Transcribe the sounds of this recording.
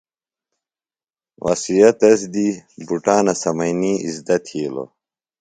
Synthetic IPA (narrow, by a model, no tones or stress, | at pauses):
wɐ̰sijɐt̪ɐsd̪ibuʈaːnɐsɐmɐjniːizd̪ɐt̪ʰiːlo̰